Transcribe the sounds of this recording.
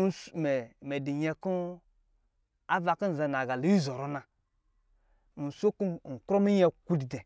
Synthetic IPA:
smɛ˨me˨di˨ɲɛ˦ku˦ | a˦va˨ku˦n̩˨za˧˨na˨ɡa˨li˨˦i˦zo˨ɾo˦na˨ | u˨so˦ku˦˨ŋ̩˨kɾo˦mi˦ɲɛ˦ku˦di˨dɛ˨

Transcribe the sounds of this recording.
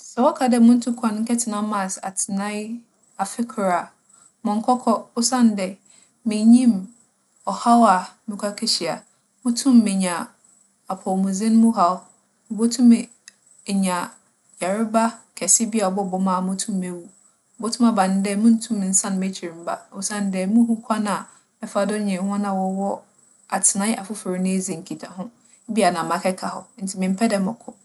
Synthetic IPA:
sɛ˨wɔ˦kʰa˨dɛ˦mʊ̃˦n̩˦tʰũ˦kʰã˨n˦ŋ̩˦kʰɛ˦tʰɪ˨nã˦mã˨sa̰˨tʰɪ˨nã˦ɪ˦ | a˨fɪ˦kʰɾa˨ | mʊ̃˨ŋ˦kʰɔ˦kʰɔ˦ʊ˦sã˦˨n˦dɛ˦˨ | mɪ̃˨ɲĩ˦m | ɔ˨ha˦wa˨mɪ̃˨kʷʰa˦kʰɛ˦ɕi˨a̰˨ | mʊ̃˦tʰũ˦mːɪ̃˨ɲã˨ | a˨pʰɔ˨mũ˨zɪ̃˦n˦mũ˦ɦa˨w | bo˦tʰũ˦mɛ˨ | ɲã˨ | ja˨ɾɪ˦ba˦kʰɛ˨sɪ˦bi˦a˨ɔ˨bɔ˦˨bɔ˦mã˦˨mʊ̃˦tʰũ˦mæ˨wu˦˨ | bo˦tʰʊ̃˦ma˨bã˨n˦dɛ˦˨mʊ̃˦n̩˦tʰũ˦m˨n̩˨sã˦ñ˨me˦t͡ɕʰi˨ɾĩ˨m̩˦ba̰˦˨o˨sã˦n˦dɛ˨˦mũ˦ɦũ˦kʷʰa˦nã˨ | ɛ˦fa˨dʊ˦ɲɛ̃˨˦hɔ̃˦nã˨wɔ˨wɔ˦ | a˨tʰɪ˨nã˦ʔa˨fʊ˦fʊ˨ɾi˨˦nɪ̃˦e˦zĩ˨ŋ̩˨kʰi˨tʰa˨ɦʊ̃˦ | bi˦a˨nã˨mã˨kʰɛ˦kʰa˨hɔ˨n̩˦tʰɪ˨mɪ̃˨m̩˦pʰɛ˦dɛ˨mʊ̃˨kʰʊ˨

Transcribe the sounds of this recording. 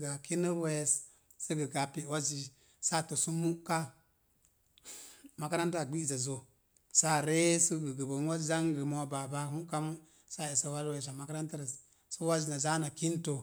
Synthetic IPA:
ɡa˨ki˦ni˦ɾwe˦˨s | si˦ɡi˨ɡa˨pi˨wa˦zi˨ | sa˦to˨su˦mu˦ka˦ | ma˨ka˦ɾa˦nta˨ɡ͡bi˦˨za˨zo˨ | sa˦ɾe˦si˦ɡu˨ɡu˨bo˨nwa˦za˦ŋɡə˨mo˦ba˨ba˦ɦu˦ka˦mu˦ | sa˦i˨sa˨wa˦ɾwe˨s̬a˨ma˨ka˦ɾa˦nta˦ɾa˨ | su˦wa˦d͡ʒi˨na˨za˦na˨ki˦n˦to˨

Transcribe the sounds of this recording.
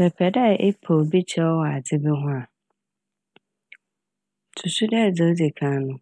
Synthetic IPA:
ɛ˨pʰɛ˨da˦˨ʔe˦pʰo˨bi˦t͡ɕʰɛ˦ɔ˦wɔ˨a˨d͡zɪ˦be˦ɦʊ̃˦a˨ | tʰu˨su˦dɛ˦˨d͡za˦di˨kʰã˨˦nʊ̃˦

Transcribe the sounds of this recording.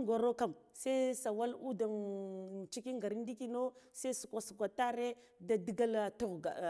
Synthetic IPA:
ɡa˨ɾo˦ka˨msa˦sa˨wa˦lu˦da˨n˨ | t͡ʃi˦ki˦ŋɡa˨ɾi˦n˦di˦ki˦no˦sa˦i˦su˨kʷa˨su˨kʷa˨ta˦ɾe˦ | da˨di˦ɡa˦ltu˦˨ɣa˨

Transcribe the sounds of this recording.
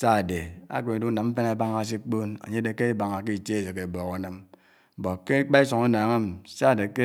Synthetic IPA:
sa˦˨de˨a̰˦ke˨ni˨du˦na˨m̩˦fe˦na˨˦ba˦ŋa˨s̬i˦k͡po˦na̰˨ɲe˦de˨ke˦i˦ba˨ŋa˨ke˦i˨te˦e˨se˨ke˨bɔ˨ka˨˦nɨ˦m̩˨ | bo˨ke˦k͡pa˦i˦so˨ŋa˦naː˨ŋe˦m˨˦sa˦˨de˨ke˦

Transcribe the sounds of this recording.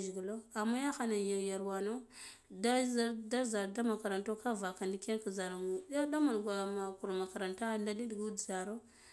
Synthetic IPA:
ʒɡi˨lo˦a˨mːa˦ja˦xa˨na˨ja˨ja˨ɾwa˨no˦ | da˦a˦da˦za˨ɾda˦ma˨ka˨ɾa˨nto˦ka˦va˨ka˨ndi˦ke˦n˦ka˨za˨ɾa˦da˦ma˨n˨ɡʷa˨ma˨ku˨ɾma˨ka˨ɾa˨nta˦nda˦di˦ɗi˨ɡu˦dza˨ɾo˦

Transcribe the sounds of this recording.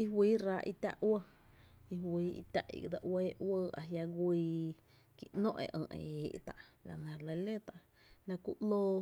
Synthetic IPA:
i˦ɦwiː˦ɾa˧ʔi˧t̪a̰˦ʔʔwə˦ | i˧ɦwiː˨˦ḭ˧t̪ʲa˦ʔḭ˨d̪a˧ʔweː˦ʔwəː˦a˨ɦja˧ɡʷiː˧ | ki˨ʔnõ̰˦ʔḛ̃˨ʔə̃ː˧˨ʔḛ˨e˨ʔt̪a˨ʔla˨nã˨lə˧le˦t̪a˨ʔ | nã˧ku˦ʔloː˦

